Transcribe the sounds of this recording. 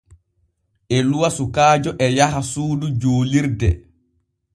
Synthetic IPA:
ʔɛluwasukaːd͡ʒɔʔɛjaɦasuːdud͡ʒoːliɾdɛ

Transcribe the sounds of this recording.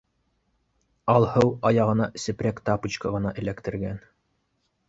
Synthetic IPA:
ɑlˠhɤwɑjɑʁɤ̆nɑsɘ̆pɾʲækt̪ɑput͡ɕkɑʁɤ̆nɑʔɘ̆lækt̪ɘ̆ɾɡæn

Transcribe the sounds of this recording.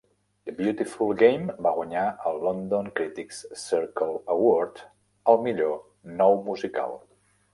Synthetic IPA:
d̪əbjut̪ifulˠɡejmbaɣwaɲaəlˠːɔnd̪oŋkɾit̪ikssiɾkəlˠəwɔɾt̪ | əlˠmiʎo | nɔwmuzika̰lˠ

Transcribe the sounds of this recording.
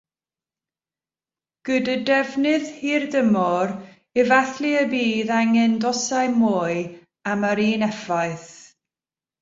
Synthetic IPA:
ɡ̥ədədɛvnɪðhirdəmɔɾ | ɛvaθliəbiːðaŋɛndɔsaɨmoːɨ | aməɾiːnɛfajθ

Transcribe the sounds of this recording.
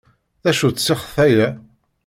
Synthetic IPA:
ðæʃut͡ssːɪχθæjæ

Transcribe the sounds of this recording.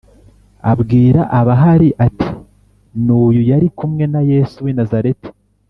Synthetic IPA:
a̰bɡiːɾaʔaβaɦaɾiʔati | nuːjujaɾikumŋe̞naje̞ːsuwinazaɾeti̥

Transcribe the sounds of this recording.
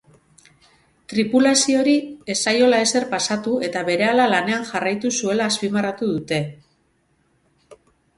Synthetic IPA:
t̪ɾipulasio̞ɾie̞sajo̞lae̞se̞rpasat̪ue̞t̪aβe̞ɾe̞alalane̞aŋxarajt̪usue̞laːspimarat̪uðut̪e̞

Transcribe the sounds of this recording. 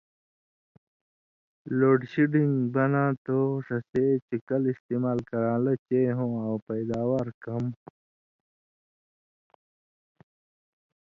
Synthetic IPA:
loːɖɕiɖiŋɡbɐnãːt̪oʂɐset͡ɕikɐlist̪iːmaːlkɐɾãːlɐt͡ɕeɦõawpɐjd̪aːwaːɾkɐm

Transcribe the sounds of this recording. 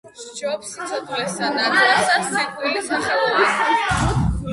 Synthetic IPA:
d͡ʒɔpsit̪sʰɔd̪vlɛsanad̪asaikʼiisaχɛlˠɔvis

